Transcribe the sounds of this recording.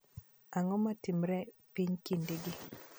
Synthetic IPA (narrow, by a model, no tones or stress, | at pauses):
aŋɔmatimɾɛpiɲkindeɡi